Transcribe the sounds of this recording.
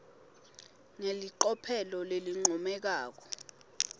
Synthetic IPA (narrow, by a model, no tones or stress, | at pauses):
ŋeliǃɔpʰɛlɔleliŋ͡ǀʱɔmɛk̬aːk̬ɔ̥